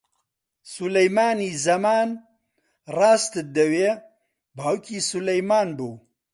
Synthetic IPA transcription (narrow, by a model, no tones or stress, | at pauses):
sulɐjmaːniːzɐmaːn | rɑːst̪ɨd̪ɐweː | bɦɐwkʰiːsulɐjmaːnbuː